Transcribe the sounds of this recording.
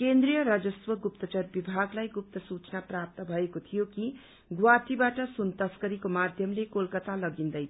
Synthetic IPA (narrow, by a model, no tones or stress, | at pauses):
kend̪rijʌɾʌd͡zʌswʌɡup̚t̪ʌt͡sʌrbibʱaɡlajɡup̚t̪ʌsut͡snaprap̚t̪ʌbʱʌekot̪ʰijoki | ɡwat̪ibaʈʌsunt̪ʌskʌɾikomad̪ʱjʌmlekolkʌt̪alʌɡind̪ʌjʰ